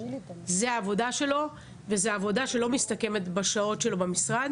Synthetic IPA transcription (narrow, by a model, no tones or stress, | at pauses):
zeaːvo̞daʃe̞lo̞ | vezeaːvo̞daʃe̞lo̞mistɐke̞me̞tbaʃao̞tʃe̞lo̞bemisʁad